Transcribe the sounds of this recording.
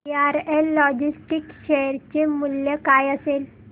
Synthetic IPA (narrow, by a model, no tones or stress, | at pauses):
aɾelːɔd͡ʑisʈikɕɛɾt͡ɕemuljəkajəsel